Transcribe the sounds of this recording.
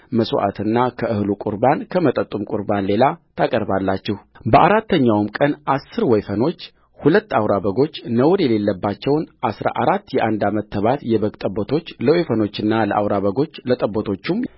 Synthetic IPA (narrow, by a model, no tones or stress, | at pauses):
məso̰ʔa̰t̪ʰɨnːakʰəʔɨhlukʼṵɾbankʰəmət̪ʼət̪ʼːumkʼuɾbanle̞lat̪ʰakʼəɾbalːat͡ʃːɛhbəʔaɾat̪ʰːəɲːawmkʼənasːɨɾwɔjfəno̞t͡ʃː | hulət̪ːawɾaβəɡo̞t͡ʃːnəwɾjɛle̞lːəbːat͡ʃːɛwnʔasɾa̰ʔaɾat̪ːjɛʔand̪amət̪ʰːəβat̪jɛβəɡt̪ʼəbːot̪ʰo̞t͡ʃːləwejfəno̞t͡ʃːɨnːaləʔawɾaβəɡo̞t͡ʃːlət̪ʼəbːot̪ʰo̞t͡ʃːum